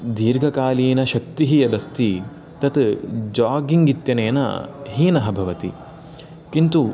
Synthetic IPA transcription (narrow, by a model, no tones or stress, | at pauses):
d̪ʱiːɾɡʱɐkaːliːnɐʃɐk̚t̪iɦijɐd̪ɐst̪i | t̪ɐt̪d͡ʒaːɡiŋɡit̪jɐneːnɐ̰ɦiːnɐɦɐbʱɐʋɐt̪ḭ | kint̪u